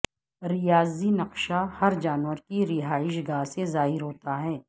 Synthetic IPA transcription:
ɾɪjaːzinɐqʃahɐɾd͡ʒaːnʋəɾkiɾɪɦaːɪʃɡaːɦsezaːɦɪɾɦoːt̪aɦɛː

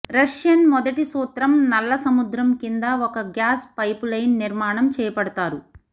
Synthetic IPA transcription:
ɾɐʂjɐnmɔd̪ɐʈisuːt̪ɾɐmnɐlːɐsɐmud̪ɾɐmkind̪ɐɔkɐɡjaːspɐjplɐjnːiɾmaːɳɐmt͡ʃɛːjɐpɐɽɐt̪aːɾu

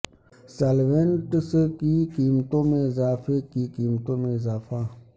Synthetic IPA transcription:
salʋẽnʈəskikiːmt̪õmẽɪzaːfekikiːmt̪õmẽɪzaːfa

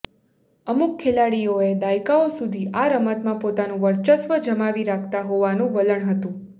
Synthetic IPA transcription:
əmukkʰːelaɽijoed̪ajkaosud̪ʱiʔaɾəmat̪mãpot̪anũʋəɾt͡ʃəsʋəd͡ʒəmaʋiɾakʰt̪aɦoʋanũʋələɳɦət̪ũ

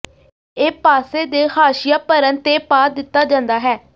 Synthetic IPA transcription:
eːpaːseːd̪eːhaːʃɪjaːpəɾənt̪eːpaːd̪ɪt̪ːaːd͡ʒãːnd̪aːɦɛː

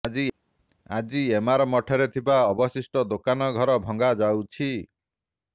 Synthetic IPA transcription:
i | ad͡ʒiemaɾɔmɔʈʰɔɾet̪ʰibaɔbɔsisʈɔd̪okanɔɡʱɔɾɔbʱɔŋɡad͡ʒawt͡ʃʰi

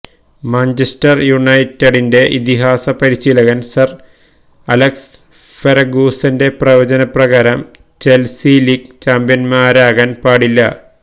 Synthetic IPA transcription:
maːɲt͡ɕistɐrjuɳɐjtːeɽinde̞ʔit̪iɦaːsɐpɐɾiɕilɐɣɐnsɐr | ɐleks | feɾɐɡuːsɐnde̞prɐʋɐd͡ʑɐnɐprɐɣaːɾɐm | t͡ɕelsilikt͡ɕaːmbjɐnmaːɾaːɣaːnpaːɽilːɐ̰

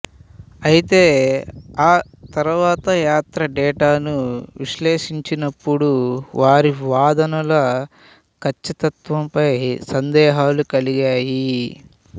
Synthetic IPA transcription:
ɐjit̪e̞ːaː | t̪ɐɾuʋaːt̪ɐjaːt̪ɾɐɖɛːʈaːnuʋiʃleːʂiɲt͡ʃinɐpːuɽuʋaːɾiʋaːd̪ɐnɐlɐ | kʰɐt͡ʃːit̪ɐt̪ʋɐmpɐjsɐnd̪ɛːɦaːlukɐliɡaːji

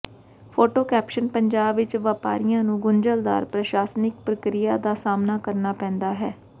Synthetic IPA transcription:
pʰoːʈoːkɛːpʃənpəɲd͡ʒaːbʋɪt͡ʃʋaːpa̰ːɾɪjãːnũːɡʊɲd͡ʒəld̪a̰ːɾpɾəʃaːsnɪk̚pɾəkɾɪjaːd̪aːsaːmnaːkəɾnaːpɛ̃ːnd̪aːɦɛː

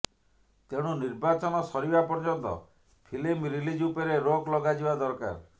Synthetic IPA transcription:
t̪eɽ̃uniɾbat͡ʃɔnɔsɔɾibapɔɾd͡ʒɔnt̪ɔ̰ | pʰilimɾilid͡ʒupeɾeɾoklɔɡad͡ʒibad̪ɔɾka̰ɾ

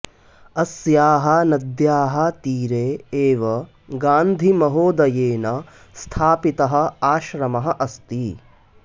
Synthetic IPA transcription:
ɐsjaːɦɐnɐd̪jaːɦɐt̪iːɾeːeːʋɐ | ɡaːnd̪ʱimɐɦoːd̪ɐjeːnɐ | st̪ʰaːpit̪ɐɦɐ̆aːʃɾɐmɐɦɐʔɐst̪i

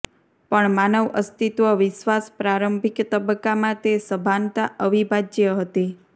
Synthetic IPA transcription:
pəɳmanəʋə̰st̪it̪ʋəʋɪʃʋaspɾaɾəmbʱikt̪əbəkːamãt̪esəbʱant̪aʔəʋibʱad͡ʒjəɦət̪i

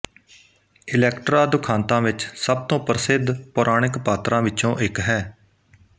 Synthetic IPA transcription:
ɪlɛːkʈɾaːd̪ʊkʰãːnt̪ãːʋɪt͡ʃsəb̚t̪õːpɾəsɪd̪pʊɾʔaːɳɪkpaːt̪ɾãːʋɪt͡ʃõːʔɪkɦɛː

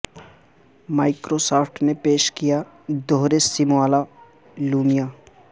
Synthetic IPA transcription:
maːɪkɾosaːpʰʈnepeːʃkija | d̪oːɾesimoaːla | luːmijaː

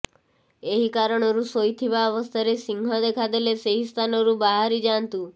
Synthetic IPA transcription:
eɦikaɾəɳ̃ɔɾusojt̪ʰiʋaɔʋəst̪ʰaɾesiŋɡʱɦɔd̪ekʰad̪eleseɦist̪ʰanoɾũbaɦaɾid͡ʒant̪ũ

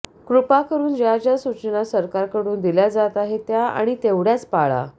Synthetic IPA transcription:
kɾupakəɾuːnd͡ʑjat͡ɕjasut͡ɕnasəɾkaɾkəɽuːnd̪iljad͡zat̪aɦet̪jaa̰ɽ̃it̪eʋɽjat͡spaɭa̰

